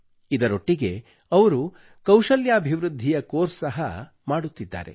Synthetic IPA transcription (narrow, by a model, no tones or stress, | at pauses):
id̪ɐɾo̞ʈːiɡe̞ | ɐʋɐɾu | kɐwʃɐljaːbʱiʋɾud̪ʱːijɐkoːɾsɐɦɐ | maːɽut̪ːid̪ːa̰ːɾe̞̰